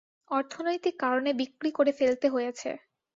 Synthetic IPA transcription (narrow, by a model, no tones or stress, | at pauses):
ɔɾt̪ʰonojt̪ikːaɾonebikːɾikoɾefelt̪eɦojet͡ɕʰḛ